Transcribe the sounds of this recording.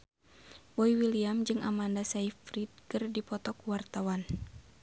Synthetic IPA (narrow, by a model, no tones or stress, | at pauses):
bɔiwiliamd͡ʒɨŋa̰mandasaifɾit̪̚kɨrdipɔt̪ɔkuwart̪awan